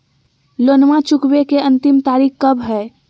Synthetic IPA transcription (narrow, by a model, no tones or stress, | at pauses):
loːnmãt͡ʃʊkwekeɐ̃nt̪ɪmt̪aːɾiːkkːɐbɦɛː